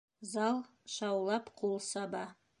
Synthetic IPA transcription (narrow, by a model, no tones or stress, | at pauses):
zɑlˠ | ʃɑwlˠɑpqʰulˠsɑbɑ